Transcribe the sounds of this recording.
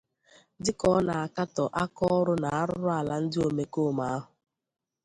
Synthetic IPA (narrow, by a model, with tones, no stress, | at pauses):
dɪ˦kɔ˦na˨a˨ka˦tɔ˨ʔa˦kɔ˦ɔ˦ɾʊ˦na˨a˦ɾʊ˦ɾʊ˦a˨la˦n̩˦dɪ˦o˨me˦ko˦˨ma˨a˦ɦʊ˨